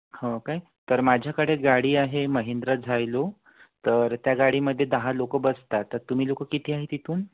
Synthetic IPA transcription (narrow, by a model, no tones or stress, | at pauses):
hõkaj | t̪əɾmad͡ʑʱjakəɽeɡaɽiːaɦeməɦend̪ɾad͡zʱajlo | t̪əɾt̪jaɡaɽiməd̪ʱːjed̪əɦalokəbəst̪at̪ːəɾt̪um̤iːlokəkit̪ʰiːaɦet̪it̪uːn